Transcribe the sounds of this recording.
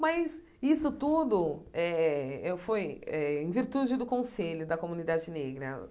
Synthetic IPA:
mɐs | isʊt̪ud̪ʊɛɛfojɛẽviɾt̪ud͡ʒɪd̪ʊkõseʎʊd̪ɐkomũnid̪ad͡ʒɪneɡɾɐ̰

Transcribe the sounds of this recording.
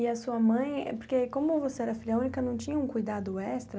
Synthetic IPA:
ɪɐsuɐmɐ̃j̰̃poɾkekõmʊvoseɛɾɐfiliɐũnikɐnɐ̃w̃t͡ʃĩɲɐũkujd̪ad̪ʊɛst̪ɾɐ

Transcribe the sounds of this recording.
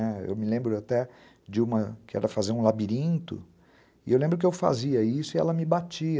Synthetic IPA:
ɛḛwmɪlẽmbɾʊat̪ɛ | d͡ʒɪũmɐkɪɛ̰ɾɐfazeɾũlabiɾĩnt̪ʊ̰ | ɪʔewlẽmbɾʊkɪewfa̰ziɐisʊɪɛ̰lɐmɪbat͡ʃiɐ

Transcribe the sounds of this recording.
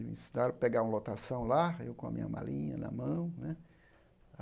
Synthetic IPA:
mḭ̃sid̪aɾpeɡaɾũɐlot̪asɐ̃w̃laḛwkõɐ̰mḭ̃ɲɐ̰ma̰lĩɲɐ̰nɐ̰mɐ̃w̃nɛ

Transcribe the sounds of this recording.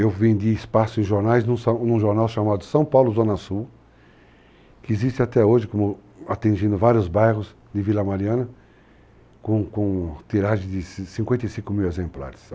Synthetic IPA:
ewvẽd̪iɪspasʊẽʒoɾnajznũsɐnũʒoɾnawʃamad̪ʊsɐ̃w̃pawlʊzõnɐsuw | kɪːzist̪ɪat̪ɛoʒɪkõmʊ | at̪ẽʒĩnd̪ʊvaɾjʊzbajʁʊz | d̪ɪvilɐmaɾiɐ̃nɐ | kõkõt̪iɾaʒɪd̪ɪssĩŋkwẽnt̪ejsĩŋkʊmiwezẽmpla̰ɾɪs

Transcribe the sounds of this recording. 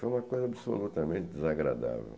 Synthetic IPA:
fojũmɐkojzɐabso̰lut̪ɐmẽt̪ɪd̪ɪzaɡɾa̰d̪a̰vḛw

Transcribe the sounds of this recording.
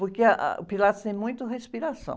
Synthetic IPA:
poɾkeɐʔa̰ʊpilat̪ʊst̪ẽj̃mũj̃t̪ʊhespiɾasɐ̰̃w

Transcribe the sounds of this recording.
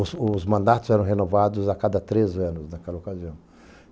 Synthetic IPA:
ʊsʊzmɐ̃nd̪at̪ʊzɛɾɐ̃wɦenovad̪ʊzakad̪ɐt̪ɾezɐ̃nʊznɐkɛlɐokaziɐ̃w̃

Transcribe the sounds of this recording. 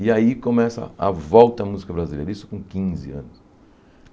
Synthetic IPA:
ɪaikõmɛsɐ̰a̰vɔwt̪ɐːmuzikɐbɾazilḛjɾɐisʊ̥kõkĩzɪ̰ɐ̰̃nʊs

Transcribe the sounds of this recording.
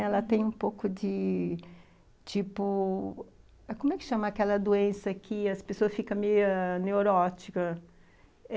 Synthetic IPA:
ɛlɐt̪ẽj̃ũpowkʊd͡ʒɪ | t͡ʃipʊ | ɛkõmʊɛkɪ̥ʃɐ̃mɐːkɛlɐd̪oẽsɐkʰɪɐspesoɐsfikɐ̃mejɐneoɾɔt͡ʃikɐ

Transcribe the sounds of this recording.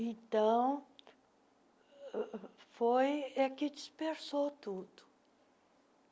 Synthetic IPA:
ẽt̪ɐ̃w̃ | fojɛkɪd͡ʒispeɾsot̪ud̪ʊ̥

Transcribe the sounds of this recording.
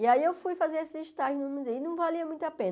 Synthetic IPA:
iaiewfujfazeɾesɪiʃt̪aʒʊnumũzeɪnɐ̃w̃valiɐmũj̃t̪apẽn

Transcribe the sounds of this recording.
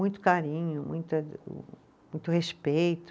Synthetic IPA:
ũj̃t̪ʊ̥kaɾĩɲʊmṵ̃j̃t̪ɐ̰ | ũj̃t̪ʊhespejt̪ʊ

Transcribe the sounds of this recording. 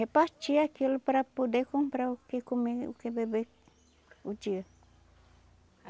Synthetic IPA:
hepast͡ʃiakilpɾapud̪ekuŋpɾaukekumeṵkebebek | ud͡ʒiə

